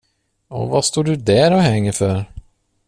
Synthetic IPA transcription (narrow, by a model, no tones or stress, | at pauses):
ɔ̰vast̪oːɖɵd̪æɾɔɦɛŋːəɾfœɾ